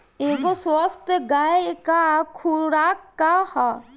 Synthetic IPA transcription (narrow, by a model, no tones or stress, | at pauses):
eːkoswast̪ɡaːekakʰuɾɾaːkːaha